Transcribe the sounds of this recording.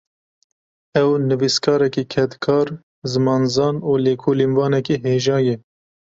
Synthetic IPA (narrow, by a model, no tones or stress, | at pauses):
ɛwnɨviskʰɑːɾɛkiːkʰɛt̪kʰɑːɾ | zɨmɑːnzɑːnuːleːkʰoːlinvɑːnɛkiːɦeːʒɑːjɛ